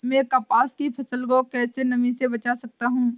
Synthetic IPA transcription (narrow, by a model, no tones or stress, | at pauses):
mɛ̃ːkɐpaːskipʰɐsəlkokɛːsenɐmĩsebɐt͡ʃasɐk̚t̪aɦũː